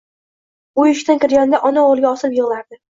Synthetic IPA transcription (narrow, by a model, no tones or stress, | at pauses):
ʊjʊʃʲt̪ankʲɪɾɡʲand̪aʔɒnaoʁlˠɡʲaɒsɪpjɪʁlaɾd̪ɪ